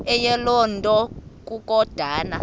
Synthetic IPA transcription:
ɛjɛlɔntʼɔk̬ʼuk̬ʼɔd̥ʱaːna

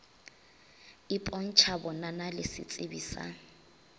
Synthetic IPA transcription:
ɪpʼɔn̩t͡ʃʰabɔnanalɪsɪ̰t͡sʼɪbiːsa̰

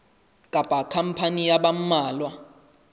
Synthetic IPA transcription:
kʼapʼakʰam̩pʰanijaɓam̩maːlwa

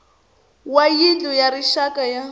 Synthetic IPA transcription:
wajid͡ɮɔjaɾiʃakaja

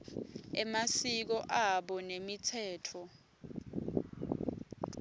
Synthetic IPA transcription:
ɛmasik̬ɔʔaɓɔnemitʰɛːtʰɔ

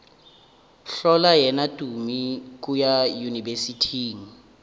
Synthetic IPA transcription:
ɬɔlajɛnatʼumik̬ʼujajunivesitʰiːŋ̩

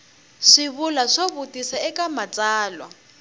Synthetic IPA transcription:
ʂiβulaʂoβutʼisaɛkʼamat͡sʼaːlwa̰

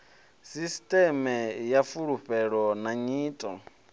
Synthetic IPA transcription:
sistʼɛmɛjafuɺuɸɛɺɔnaɲiːtʼɔ̰

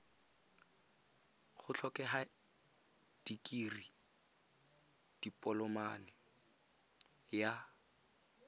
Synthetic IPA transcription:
χʊt͡ɬʰɔkɛɦa | d̥ikʼiri | d̥ipʼɔlɔmanɪ | ja

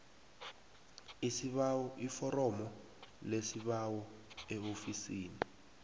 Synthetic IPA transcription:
isiaɔifɔɾɔmɔ | lesiɓawɔɛofisiːni

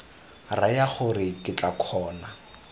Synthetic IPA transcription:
rajaχʊrɪkʼɪt͡ɬʼakʰɔːna

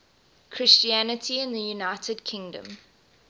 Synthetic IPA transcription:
kʰɹ̥ɪst͡ʃiænətʰiɪ̃nðəjunaɪtʰəd̚kʰɪ̃ŋdə̰̃m

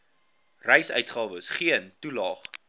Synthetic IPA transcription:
rɛjsœ̰ɥtχɑːvəsχiəntulɑːχ

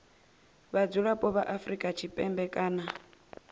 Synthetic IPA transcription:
βad͡zuɺapʼɔβaʔafrikʼat͡ʃʰipʼɛmbɛkʼaːna

